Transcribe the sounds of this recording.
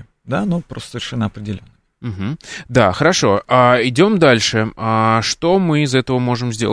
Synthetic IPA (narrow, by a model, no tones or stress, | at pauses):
d̪anupɾost̪əsəvʲɪrʂɛnːəɐpɾʲɪdʲɪlʲonːə | m̩ɦm̩d̪axəɾɐʂo̞aɪdʲo̞md̪alʲʂɨaʂt̪o̞mɨɪzɛt̪əvəmo̞ʐɨmzʲdʲe̞lˠ